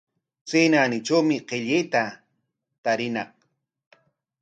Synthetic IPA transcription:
t͡seːnaːnɪʈ͡ʂawmɪqeʎɪjt̪a | t̪aɾɪnɑ̰q̚

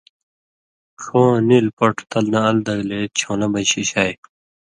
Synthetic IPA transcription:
kʰõːnilpɐʈʰt̪ɐlnɐɐld̪ɐɡlet͡ɕʰõːnɐbɐjɕiɕaːj

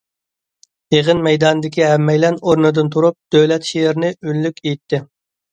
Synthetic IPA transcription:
jeʁɨnmɛjd̪ɑnɨd̪ɪkʲiɦɛmːɛjlɛnoɾnɨd̪ɨnt̪ʰuɾup̚d̪̥øwlɛt̪ʃejɪɾnɪynlykʲʰejt̪ʰːɪ

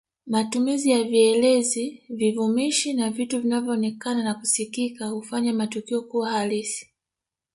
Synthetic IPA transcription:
matumizijaviɛlɛzivivumiʃinavituvinavjɔːnɛkananaku̥sikikahufaɲamatukiɔkuwahalisi̥

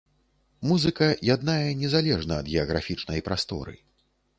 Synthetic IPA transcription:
muzɨkɐjad̪najɐnʲɛzalʲɛʐnɐːd̪ɣʲɛɐɣɾa̰fʲit͡ʂnɐjpɾast̪ɔ̰ɾɨ̰

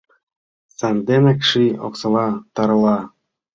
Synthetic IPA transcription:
sænd̪enɘ̆kʂio̰ksɤ̆lɑt̪ɑɾɤ̆lɑ

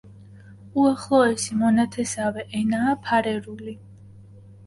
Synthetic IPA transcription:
uaχlˠɔɛsimɔnat̪ʰɛsavɛʔɛnaːpʰaɾɛɾuli

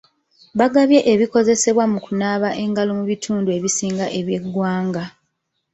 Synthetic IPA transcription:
βaɡaβje̞ʔeβiko̞ze̞se̞βwamukunaβaʔe̞ŋɡalomuβitʰuːndue̞βisiːŋɡaʔe̞βje̞ɡːwaːŋɡa

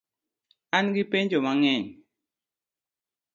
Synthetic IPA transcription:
anɡipeɲd͡ʒomaŋɛɲ

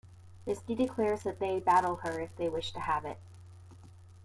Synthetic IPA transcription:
mɪsd̥idɨkʰl̥ɛɹzðɨt̪̚ðeɪbæɾl̩ˠə˞ɨfðeɪwɪʃtʰɨəvɪ̰t̚

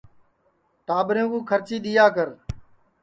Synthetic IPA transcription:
ʈaːbɾjõːkũːkʰəɾt͡ʃiːɗ̪ɪjaːk̬əɾ

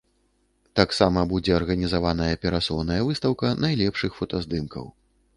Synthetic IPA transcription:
t̪aksamɐbud͡zʲɛɐrɣɐnʲizavanɐjɐpʲɛɾasɔwnɐjɐvɨst̪ɐwkɐnajlʲɛpʂɨxfɔt̪ɐzd̪ɨmkɐ̰w

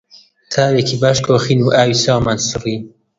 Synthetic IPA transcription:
t̪ʰaːwekʰibaːʃkʰoːxiːnuːʔaːwiːsaːwmaːnsɨri

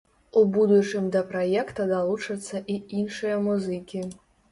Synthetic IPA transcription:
ubud̪ut͡ʂɨmʲd̪ɐpɾajɛkt̪ɐd̪alˠut͡ʂɐt̪sːɐʔiinʂɨjɐmuzɨkʲi

